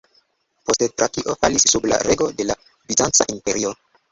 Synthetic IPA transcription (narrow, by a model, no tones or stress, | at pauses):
po̞sttɾakiʔo̞fa̰lisːubla̰ɾe̞ɡo̞de̞la | vizant͡sa̰ʔimpe̞ɾio̞